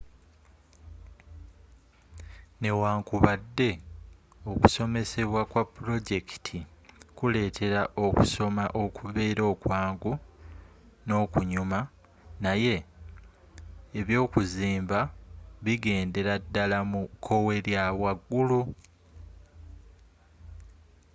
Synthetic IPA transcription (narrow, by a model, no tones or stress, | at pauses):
ne̞waːŋkuβadːe̞ | o̞ku̥so̞me̞se̞βwakwapːuɾo̞ɟe̞ki̥tʰikule̞ːtʰe̞ɾaʔo̞kuso̞maʔo̞kuβe̞ːɾo̞ːkwaːŋɡu | no̞ːkuɲuma | naje̞ | βjo̞ːkuziːmbaβiɡe̞ːnde̞ɾadːalamukʰːo̞we̞ɾjaβwaɡːulu